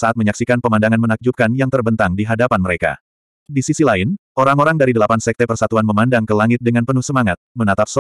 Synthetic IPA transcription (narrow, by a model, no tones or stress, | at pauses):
saʔat̪̚məɲaksikanpəmandaŋanmənak̚d͡ʒup̚kanjaŋt̪ərbənt̪aŋdiɦadapanməɾeka̰ | disisilaɪnʔoɾaŋoɾaŋdaɾidəlapansɛk̚t̪ɛpərsat̪uanməmandaŋkəlaŋɪt̪̚dəŋanpənuhsəmaŋat̪̚mənat̪ap̚sɔ